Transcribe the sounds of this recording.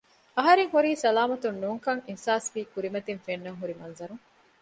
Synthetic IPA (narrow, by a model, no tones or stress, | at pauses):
ɐɦɐɾeŋhuɾiːsɐlaːmɐt̪unːuːŋkɐŋinsaːsʋiːkuɾimɐt̪infenːɐŋɦuɾimɐnzɐɾuŋ